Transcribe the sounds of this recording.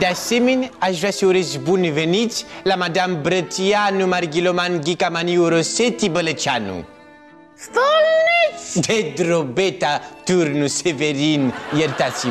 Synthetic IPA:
d̪aseminazvasiuɾezibunivenit͡si̥lamad̪amibɾətianumaɾiɡilomanɡikamaniɾoset̪ibələt͡ʃanṵ | st̪olnid̪ed̪ɾobet̪at̪uɾnuseveɾiniieɾit̪at͡si

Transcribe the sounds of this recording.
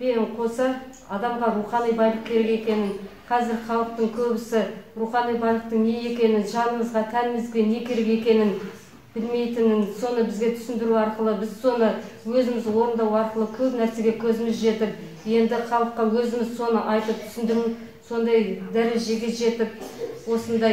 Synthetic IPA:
beɴqʰo̞sɑ | ɑd̪ɑmʁɑɾuχɑnijbɑjlˠəq̚kʲʰe̞ɾe̞ke̞kʲe̞nɪnqʰɑzɪɾχɑlˠəq̚t̪əɴkʲʰɵbɪsɪɾuχɑnijbɑjlˠəq̚t̪əɴne̞je̞kʲe̞nɪʒɑnəɴəzʁɑt̪ʰænɪmɪzɡʲe̞ne̞kʲʰe̞ɾeke̞kʲe̞nɪn | bɪlme̞jt̪ɪnɪnso̞nəbɪzɡʲe̞t̪ʰʏ̥sɪnd̪ɪɾuɑɾqəlˠəbɪzso̞nə | wɵzɪmɪzwo̞ɾənd̪ɑwɑɾqəlˠəkʲʰɵpnæɾse̞ɡʲe̞kʲʰɵzɪmɪzʒe̞t̪ɪp̚ | je̞nd̪ɪχɑlˠəqːɑwɵzɪmɪzso̞nəʔɑjt̪əp̚t̪ʰʏ̥sɪnd̪ɪɾumɪz | so̞nd̪ɑjd̪æɾɪzʒɪɡʲɪt̪ʒe̞t̪ɪp̚wo̞sənd̪ɑj

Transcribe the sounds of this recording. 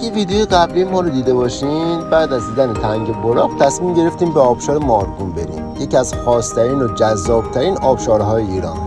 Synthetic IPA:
ɡeviːd̪ejojeɣæbliːmɒːɾod̪iːd̪e̞bɒʃiːnbæːd̪æzd̪iːd̪ænet̪ʰæŋɟeboɾɒːɡt̪ʰæsmimɟe̞ɾe̞ft̪iːmbeɒːb̥ʃɒːɾemɒːɾɡumbe̞ɾḭːmjeciæzxɒːst̪ʰæɾiːnod͡ʒæzːɒːb̥̚t̪ʰæɾiːnɒːb̥ʃɒːɾɦɒːjeiːɾɒ̰ːn

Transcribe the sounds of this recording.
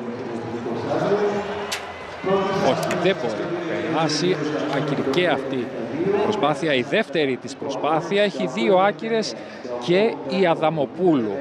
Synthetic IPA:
o̞çiðebot̪enɐfḛɾḭɐsiɐciɾiceɐft̪ipɾospɐθiɐiðe̞ft̪e̞ɾit̪ispɾo̞spɐθiɐeçiðio̞ɐciɾe̞s | ce̞iɐðɐmo̞pulṵ

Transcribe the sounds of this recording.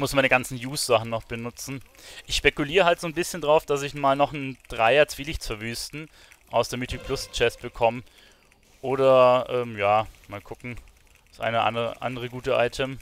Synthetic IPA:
mʊsmanəɡant͡sn̩juːsz̥aχn̩nɔχb̥ənʊt͡sn̩ | ʔɪçʃpɛkuliːʁəhaltz̥oːnbɪsçəndaʁaʊfd̥asɪçmaːlnɔχn̩d̥ʁaɪɐt͡sv̥iːlɪçt͡sfɛɐvyːstn̩ | ʔaʊsd̥eːɐmitʰupʰlʊst͡ʃɛsb̥əkʰɔmə | ʔoːɾɐʔɛːmjaːmaːlkʰʊkŋ̩ | d̥asʔa̰ɪnəʔa̰ndʁə̰ʔa̰ndəʁ̞əɡuːtəʔa̰ɪtʰəm

